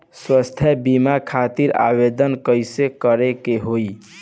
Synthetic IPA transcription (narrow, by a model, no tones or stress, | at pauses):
swəst̪ʰjəbimakʰat̪iɾa̰bed̪ənkəjsekəɾekeɦoj